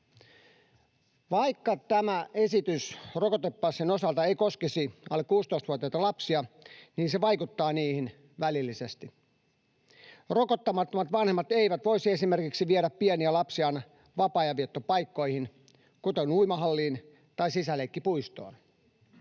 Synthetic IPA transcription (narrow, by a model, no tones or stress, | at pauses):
ʋɑikːɑt̪æmæe̞sit̪ysrokot̪epːɑːsːinosɑlt̪ɑeiko̞skesiɑlːekːuːst̪oist̪ʋuot̪iɑt̪ɑlɑpsiɑniːnseʋɑjkut̪ːɑːniːhin | ʋælilːisest̪i | rokot̪ːɑmɑt̪ːomɑt̪ʋɑnhemːɑt̪eiʋæt̪ʋo̞isie̞sime̞rkiksiʋieɾæpːieniælɑpsiɑn | ʋɑpɑːjɑʋiet̪ːopɑjkːo̞ihin | kut̪enuimɑɦɑlːiːn | t̪ɑisisælekːipuist̪o̰ːn